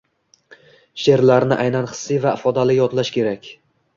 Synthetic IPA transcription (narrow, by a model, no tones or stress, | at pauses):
ʃe̞ɾlaɾnɪʔajnanχɨ̥sːijvaɪfɒd̪alɪjɒt̪laʃkʲe̞ɾakʲ